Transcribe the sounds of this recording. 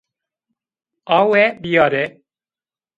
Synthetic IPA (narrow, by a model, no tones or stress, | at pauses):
ɑːwɛbijɑːɾɛ